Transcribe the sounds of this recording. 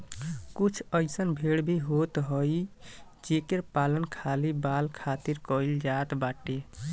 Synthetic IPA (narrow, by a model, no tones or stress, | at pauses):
kut͡ʃʰəsənbʱeɽbʱiɦot̪ɦəj | d͡ʒekeɾpalənkʰalibalkʰat̪iɾkəild͡ʒat̪baʈe